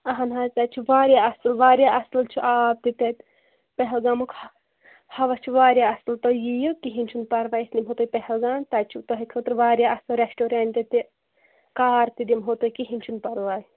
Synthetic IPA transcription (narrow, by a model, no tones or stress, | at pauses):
ɐɦɐnɦaːzt̪ɐt͡ʃʰuʋaːɾjaːɐslʋaːɾʲjaːʔɐslt͡ʃʰuʔaːp̚t̪it̪et̪ | pɛɦɛlɡaːmuk | hɐʋɐt͡ʃʰuʋaːɾjaːɐslt̪ojijukiɦinʲt͡ʃʰunpɐɾʋaːjsnimɦoːt̪ojpɛɦɛlɡaːnt̪ɐt͡ʃʰut̪oɦekʰot̪ɾʋaːɾjaːɐslɾesʈoːɾeɳʈt̪et̪i | kaːɾt̪id̪imɦoːt̪ojikiɦinʲt͡ʃʰunpɐɾʋaːj